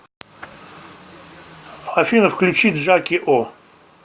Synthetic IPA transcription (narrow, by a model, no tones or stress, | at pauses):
afʲinəfklʲʉt͡ɕit̪ʐakʲɪʔo